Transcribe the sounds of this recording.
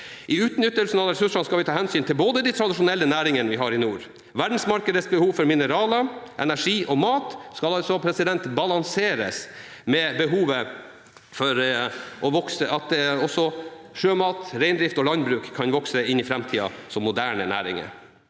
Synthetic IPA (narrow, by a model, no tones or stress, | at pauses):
ʔɪʉːt̪nʏt̪ːəlsnɑɾɛsʉʂɑnskɑlʋɪt̪ʰɑːhɛnsyːnt̪ʰɪlboːd̪əd̪it̪ʰɾɑd̪ɪʂʊnɛlːənæːɾɪŋənəʋɪɦɑɾɪnuːɾ | ʋæɖn̩smɑɾkəd̪əsbəhuːʋfɔɾmɪnəɾɑːləʔɛ̰næʂiːʔɔmɑːt̪skɑlɑlsɔpʰɾɛsɪd̪ɛnt̪bɑlɑŋseːɾəs | mɛbəɦuːʋə | fɔɾʔɔʋɔksəʔɑt̪ɔsɔʂøːmɑːt̪ɾæɪnd̪ɾɪft̪ɔlɑnd̪bɾʉːkʰːɑnʋɔksəɪnɪfɾɛmt̪ʰiːɑ̰sɔmːʊd̪æːɳənæ̰ːɾɪ̰ŋə̰ɾ